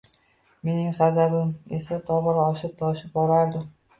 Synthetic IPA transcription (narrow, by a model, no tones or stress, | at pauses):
me̞nɪŋsazabɪmesat̪ʰɒbɪɾɒʃɪp̚t̪ʰɒʃɪp̚bɒɾaɾd̪ɪ